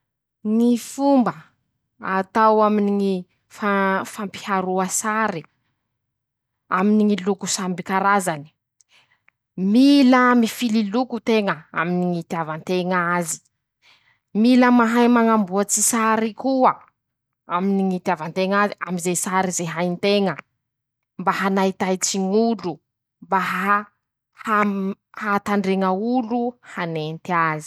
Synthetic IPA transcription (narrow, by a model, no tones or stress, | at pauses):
ŋifumbə | at̪awaminiŋi | fafampi̥haɾuəsaɾi | aminiŋilukusambikaɾazani̥ | milamifililukut̪eŋəa̰miniŋit̪iavant̪eŋazi̥ | miləmaɦajmaŋambuat͡sisaɾikuə | aminiŋit̪avant̪eŋaziamizesaɾizeɦajnt̪eŋə | mbaɦanait̪ajt͡siŋulu | mbaɦa | ha | hat̪aɳɖ͡ʐeŋəuluhanent̪iazi̥